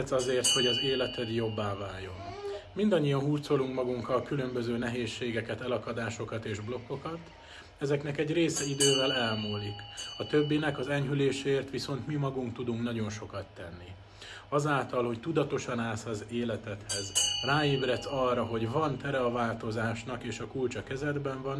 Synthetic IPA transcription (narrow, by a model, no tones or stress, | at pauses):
t̪sɒzeːrt̪ho̞ɟɒzeːlɛt̪ʰɛd̪jo̞bːaːvaːjːo̞nmind̪ɒɲːijɒnɦuːrt̪so̞luŋkmɒɡuŋkɒlkylø̞mbø̞zøːnɛɦeːʃːeːɡɛkɛt̪ɛlɒkɒd̪aːʃo̞kɒt̪eːʒblo̞kːo̞kɒt̪ | ɛzɛknɛkɛɟreːsɛid̪øːvɛlɛlmuːlikɒt̪øbːinɛkɒzɛɲɦyleːʃɛeːrt̪ʋiso̞nt̪mimɒɡuŋkt̪ud̪uŋknɒɟo̞nʃo̞kɒt̪ːɛnːi | ɒzaːlt̪ɒlho̞ct̪ud̪ɒt̪o̞ʃɒnaːsɒzeːlɛt̪ɛt̪hɛzraːeːbrɛt̪sɒrːɒɦo̞ɟvɒnt̪ɛɾɛɒvaːlt̪o̞zaːʃnɒkeːʃɒkult͡ʃɒkɛzɛd̪bɛɱvɒn